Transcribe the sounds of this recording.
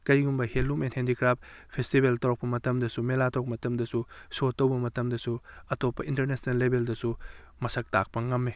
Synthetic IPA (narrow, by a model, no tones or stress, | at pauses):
kɐjɡumbɐhelumenthendikɾap̚pʰestibeltɐɾok̚pɐmɐtɐmdɐsumelatʰook̚mɐtɐmdɐsusotːɐwbɐmɐtɐmdɐsuɐtopːɐintɐɾnesnɐlːebʱeldɐsu | mɐsɐk̚ta̰k̚pɐŋɐmːe